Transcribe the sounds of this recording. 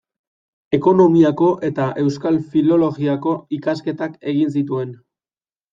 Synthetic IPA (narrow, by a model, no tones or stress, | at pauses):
e̞ko̞no̞miako̞ʔe̞t̪aʔe̞wskalfilo̞lo̞ɣiako̞ikaske̞t̪ake̞ɣ̞ins̬it̪ue̞n